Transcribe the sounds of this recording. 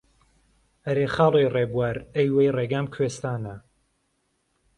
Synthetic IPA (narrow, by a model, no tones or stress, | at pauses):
ɐɾeːχaːlˠejreːbwaɾejwejreɡaːmkʰweːst̪aːnɐ